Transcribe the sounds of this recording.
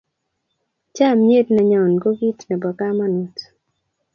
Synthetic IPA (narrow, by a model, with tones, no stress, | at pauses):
t͡ʃa˦˨mɲe˦dna˨ɲɔ˨nɡo˦ɡi˦tnɛ˨bɔ˨ka˦ma˦nu˨t